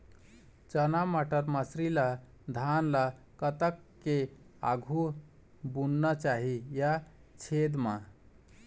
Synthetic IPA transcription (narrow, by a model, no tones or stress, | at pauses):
t͡ʃənamaʈəɾmãsɾila | d̪ʱanla | kət̪əkːea̰ɡʱu | bunːət͡ʃaɦija | t͡ʃʰed̪ma